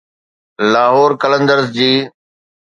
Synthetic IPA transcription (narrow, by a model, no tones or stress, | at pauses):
laːɦoːɾkələ̃nd̪əɾzd͡ʑiː